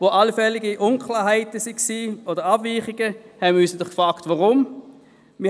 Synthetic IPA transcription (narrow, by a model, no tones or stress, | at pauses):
voʔalfɛliɡiʔʊnkʰlaːhaɪtəsiksiːodəʁabviːχiɡəhɛmyːsnɐt̪ʊχkfʁaːktvaʁʊm | mɪ